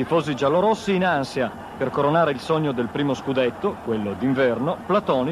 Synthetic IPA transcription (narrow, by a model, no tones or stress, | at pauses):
t̪ifoːzid͡ʒalːoɾosːiːnansija | perkoɾonaːɾeilsoɲːod̪elpɾiːmoskud̪et̪ːokwelːod̪iɱvɛrnoplat̪ɔːni